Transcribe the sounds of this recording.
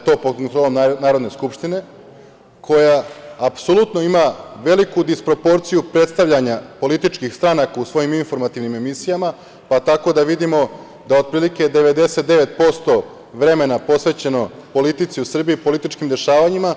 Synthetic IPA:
t̪o̞ːpod̪̚kont̪ɾo̞ːlomnanaːɾo̞d̪ne̞skupʃt̪ine̞ | kʰo̞jaːpsolˠut̪no̞imaʋe̞likud̪ispɾo̞po̞ɾt̪sijupɾe̞t̪st̪aʋʎaɲapo̞lit̪it͡ʃkixst̪ɾanakausʋo̞jiminfo̞ɾmat̪iʋnime̞misijama | pat̪ako̞d̪aʋid̪imo̞ | d̪ao̞d̪̚pɾiːlike̞d̪e̞ʋe̞d̪e̞se̞t̪̚d̪e̞ʋet̪̚po̞st̪o̞ | ʋɾe̞me̞napo̞sʋe̞t͡ɕe̞no̞po̞lit̪it̪siusr̩biipo̞lit̪it͡ʃkimd̪e̞ʃaːʋaɲima

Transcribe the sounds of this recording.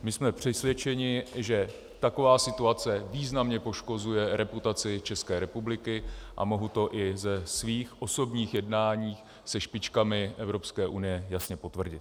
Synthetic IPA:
mɪsmɛpr̝̥ɛsvjɛt͡ʃɛɲɪʒɛ | t̪ako̞vaːsɪt̪uat͡sɛviːznamɲɛpo̞ʃko̞zujɛɾɛput̪at͡sɪt͡ʃɛskɛːɾɛpublɪkɪʔa̰mo̞ɦut̪o̞ʔɪzɛsviːxʔo̞so̞bɲiːxjɛdnaːɲiːx | sɛʃpɪt͡ʃkamɪʔɛvɾo̞pskɛːʔunɪjɛjasɲɛpo̞t̪vr̩ɟɪt̪̚

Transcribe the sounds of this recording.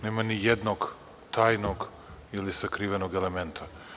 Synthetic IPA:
neːmanijed̪noɡ | t̪ʰaːjnoɡ | ilisakɾiʋenoɡelement̪ʰa

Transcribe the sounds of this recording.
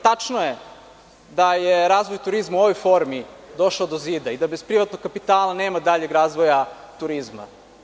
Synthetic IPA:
t̪at͡ʂnoje | d̪ajeɾaːzʋojt̪uɾizmauo̞ʋojfo̞ɾmid̪o̞ʃaod̪oziːd̪aid̪abespɾiʋat̪noɡ̚kapit̪aːlˠaneːmad̪aʎeɡɾaːzʋoja | t̪uɾizma̰

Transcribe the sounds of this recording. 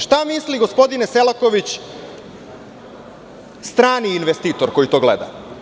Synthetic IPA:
ʃt̪amisliɡo̞spo̞d̪ineselako̞ʋit͡ɕ | st̪ɾaːniːnʋest̪iːt̪o̞ɾko̞jit̪o̞ːɡlḛd̪a̰

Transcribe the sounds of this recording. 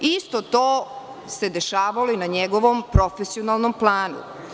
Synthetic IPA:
ist̪ot̪oː | se̞d̪e̞ʃaːʋaloinaɲeɡoʋompɾofesionalˠnomplˠaːnṵ

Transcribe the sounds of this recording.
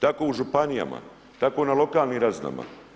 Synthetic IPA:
t̪akoːuʒupanija̰ma̰ | t̪ako̞nalo̞kaːlˠniːɾazna̰ma̰

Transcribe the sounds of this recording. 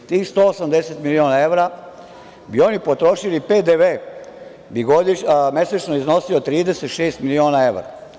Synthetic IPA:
t̪iːxst̪oːosamd̪eset̪milio̞ːnae̞ʋɾa | bio̞nipot̪ɾo̞ʃilipeːd̪eʋeː | biɡo̞d̪ime̞set͡ʃnoizno̞siot̪ɾiːd̪eset̪ʃeːst̪milio̞ːnae̞ʋɾa̰

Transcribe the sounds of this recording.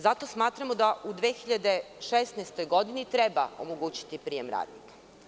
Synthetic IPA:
zat̪o̞smaːt̪ɾamod̪aʔud̪ʋeːxiʎad̪e̞ʃesnajst̪o̞jɡo̞d̪init̪ɾebao̞̰moɡuːt͡ɕi̥t̪ipɾijemɾa̰ːd̪nḭkḁ

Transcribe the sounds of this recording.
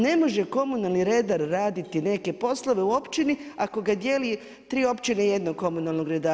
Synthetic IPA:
ne̞mo̞ʒe̞ko̞munalˠniɾe̞d̪aɾːaːd̪it̪ine̞ke̞po̞slˠo̞ʋe̞uo̞pt͡ʃiniako̞ɡad̪je̞li | t̪ɾiːo̞pt͡ʃineje̞d̪noɡko̞munalˠno̞ɡɾed̪a

